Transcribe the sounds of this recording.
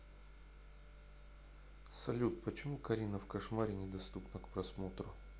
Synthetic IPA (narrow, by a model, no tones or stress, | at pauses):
sɐlʲut̪̚pət͡ɕɪmukɐɾʲinəfkɐʂmaɾʲɪnʲɪd̪ɐst̪upnəkpɾɐsmo̞t̪ɾʊ